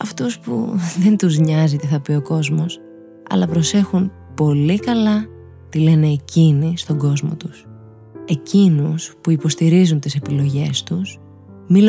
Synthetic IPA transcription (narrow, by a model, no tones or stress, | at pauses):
ɐft̪uspṵðe̞nt̪uzɲɐzit̪iθɐpio̞ko̞zmo̞s | ɐ̰lɐpɾo̞se̞xun | po̞likɐlɐ | t̪ile̞ne̞ːcinist̪o̞ɡo̞zmo̞̰t̪us | e̞cinuspuipo̞st̪iɾizunt̪ise̞pilo̞ʝe̞st̪us | mil